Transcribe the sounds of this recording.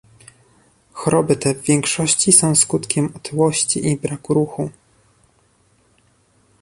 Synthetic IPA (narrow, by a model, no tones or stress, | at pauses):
xɔɾɔbɘt̪ɛvːʲjɛŋkʂɔɕt͡ɕisɔ̃w̃skut̪kʲɛmɔt̪ʰɘwɔɕt͡ɕiʔibɾakuɾuxu